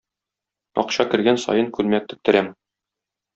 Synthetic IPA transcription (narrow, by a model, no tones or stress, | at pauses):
ɒ̰qɕɑkɘ̆ɾɡænsɒ̰jɤŋkʉlmæk̚t̪ɵ̆k̚t̪ɘ̆ɾæm